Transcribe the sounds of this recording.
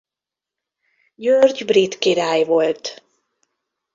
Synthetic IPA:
jørɟbrit̪kiɾaːjvo̞lt̪

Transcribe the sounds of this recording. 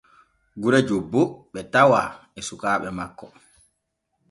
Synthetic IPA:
ɡuɾɛd͡ʒobːoɓɛtawaː | ɛsukaːɓɛmakːɔ

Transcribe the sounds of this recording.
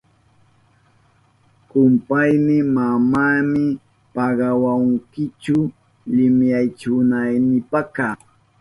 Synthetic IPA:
kʊmpajmɪmamaːmɪ | pɑɢɑwaŋkɪt͡ʃʊ | lɪmjajt͡ʃʊnajnɪpaka

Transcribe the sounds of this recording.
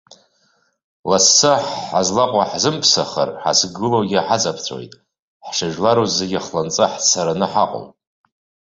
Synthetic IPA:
lasːɨħːazlaqʷʼaħzɨmpʰsaχa̰rħa̰sɡɨlowɡʲaħat͡sʼapʰt͡sʷʰo̰jtʼ | ħʂaʒlaɾozaɡʲaχlant͡sʼɨħt͡sʰaɾanɨħaqʼʊ̰w

